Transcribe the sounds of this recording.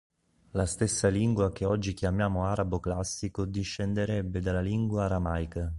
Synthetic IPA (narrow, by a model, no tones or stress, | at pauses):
last̪esːaliŋɡwakeɔd͡ʒːikjamjaːmoaːɾaboklasːikod̪iʃːend̪eɾɛbːed̪alaliŋɡwaːɾamajka